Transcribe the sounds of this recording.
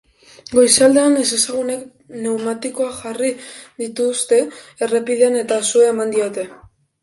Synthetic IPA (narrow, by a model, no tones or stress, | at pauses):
ɡo̞jsald̪e̞anese̞saɣ̞une̞k | ne̞wmat̪iko̞axariðit̪ust̪e̞ere̞piðeane̞t̪asueːmand̪io̞t̪e̞